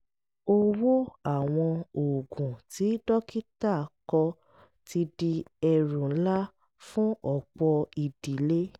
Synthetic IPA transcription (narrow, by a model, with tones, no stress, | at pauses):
o˦wo˦a˦˨w̃ɔ̃˧o˨ɡũ˨ti˨˦dɔ˦ki˦ta˦˨kɔ˧ | ti˧di˧ɛ˨ɾũ˨˦la˦ | fũ˦ɔ˦˨k͡pɔ˧i˨d̥i˨˦le˦